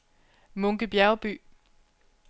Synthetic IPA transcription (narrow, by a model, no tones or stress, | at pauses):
mɔŋɡ̥əb̥jæɐb̥y̰ː